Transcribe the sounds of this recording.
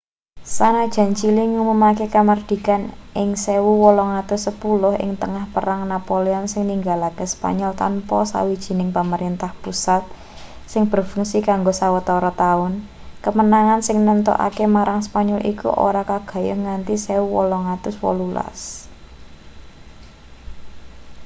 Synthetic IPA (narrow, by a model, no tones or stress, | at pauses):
sanad̥ʒ̥a̤ɲt͡ʃiliŋumumakekamərd̪̥i̤kanɪŋsewuwɔlɔŋat̪ʊsːəpulʊɦɪ̰ŋt̪əŋahpəɾaŋnapoleɔnsɪŋniŋɡalakəspa̰ɲɔlt̪a̰npɔsa̰wid̥ʒ̥i̤nɪŋpəməɾint̪ahpusat̪̚ | sɪŋb̥ərfuŋsikaŋɡosawət̪ɔɾɔt̪aʊn | kəmənaŋansɪŋnənt̪ɔ̰ʔa̰kemaɾʔaŋspaɲɔlʔḭkṵʔo̰ɾakaɡ̥a̤jɔ̰ŋant̪isewuwɔlɔŋat̪ʊswɔ̰lula̰s